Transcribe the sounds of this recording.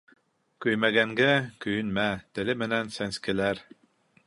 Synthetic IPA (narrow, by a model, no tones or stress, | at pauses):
kɵjmæɡæŋɡækɵjɵnmæt̪ɘ̆lɘmɘ̆nænsænskɘ̆læɾ